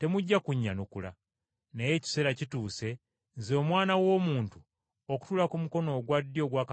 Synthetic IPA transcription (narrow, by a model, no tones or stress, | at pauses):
te̞muɟːakuɲːanukula̰ | neje̞ːci̥se̞ɾacituːse̞ | nzo̞ːmwaːnawo̞ːmuːntu | oku̥tulakumuko̞no̞ːɡwadːjo̞ːɡwaːka